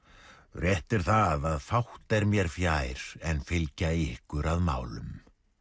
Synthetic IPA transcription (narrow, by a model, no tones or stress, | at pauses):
rjɛht̪ɪɾ̥θaðaðfawht̪ɛɾmjɛɾ̥fjaːjɾ̥ɛnfɪlcaɪhkʏɾaðma̰ːwlʏ̰m